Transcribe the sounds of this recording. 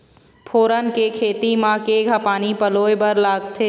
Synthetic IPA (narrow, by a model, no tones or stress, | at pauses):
pʰoːɾənkekʰeːt̪imãkeɡʱapaːnipəloːebəɾlaːɡt̪ʰeː